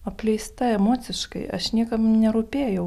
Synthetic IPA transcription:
ɐpʲlʲɛjst̪ɐɛmɔt̪sʲɨʃkɐ̰ɪɐ̰ʃnʲiɛkɐmnʲɛɾʊpʲeːjɛʊ

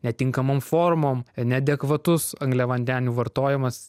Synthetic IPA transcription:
nʲɛt̪ʲɪŋkɐmomfoːɾmoːmnʲɛd̪ʲɛkʋɐt̪ʊsɐŋɡlʲɛʋɐnʲd̪ʲæːnʲuːʋɐɾt̪oːjɛmɐs

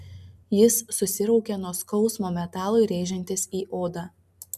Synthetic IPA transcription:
jɪsːʊsʲɪɾɔʊkʲɛnuɔskɒʊsmoːmʲɛt̪ɑːlˠoɪɾʲeːʒʲɛnʲt̪ʲɪsiːʔoːd̪ɑ

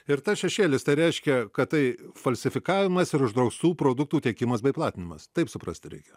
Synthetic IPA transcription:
ɪɾt̪ɐsʃʲɛʃʲeːlʲɪst̪ɐɪɾʲɛɪʃʲkʲɛkɐttɐɪfɐlʲsʲɪfʲɪkɑːʋʲɪmɐsɪɾʊʒd̪ɾɐʊst̪uːpɾoːd̪ʊk̚t̪uːt̪ʲɛkʲɪmɐsbʲɛɪplˠɑːt̪ʲɪnʲɪmɐst̪ɐɪpsʊpɾɐ̰sʲt̪ʲɪɾʲɛ̰ɪkʲɛ

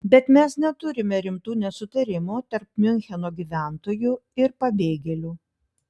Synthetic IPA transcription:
bʲɛt̪mʲɛsnʲɛt̪ʊɾʲɪmʲɛɾʲɪmt̪uːnʲɛsʊt̪ɐɾʲɪmuːt̪ɐɾp̚mʲɪnʲxʲɛnoːɡʲiʋʲæˑnt̪oːjuɪɾpɐbʲeːɡʲɛlʲuː

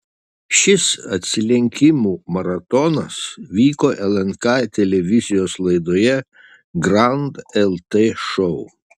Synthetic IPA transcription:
ʃʲɪsɐt̪ʲsʲɪlʲɛŋʲkʲɪmuːmɐɾɐt̪ɔnɐsʋʲiːkoːʔɛlˠɛnkɑɪt̪ʲɛlʲɛʋʲɪzʲɪjoːslˠɐɪd̪oːjɛ | ɡɾɑʊnd̪ɛlˠt̪eʃɔʊ

